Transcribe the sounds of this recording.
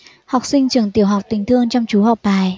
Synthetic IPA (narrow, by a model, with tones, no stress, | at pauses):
ha˨˩wk͡p̚sï˧ŋ̟t͡ɕɨ˨˧˩əŋt̪i˨˧˩əwɦa˨˩wk͡p̚t̪ï˨˩ŋ̟t̪ʰɨ˧əŋt͡ɕɔ˧wŋ͡mt͡ɕu˨˦ha˨˩wk͡p̚ɓaː˨˩j